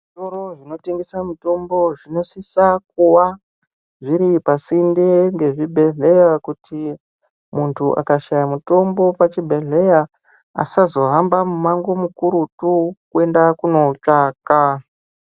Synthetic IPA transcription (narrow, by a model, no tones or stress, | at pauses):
ʐʐito̞ɾo̞ʐino̞teŋɡesamuto̞mbo̞ʐino̞sisak̚uwa | ʐiɾipasindeŋɡe̞ʐibʱe̞ɮe̞jakutʰi | muntʰuʔa̰kaʃajamuto̞mbo̞pat͡ʃibʱe̞ɮe̞ja | a̰sazo̞ɦambamumaŋɡo̞mukuɾutukue̞ndakuno̞t͡ʂaːka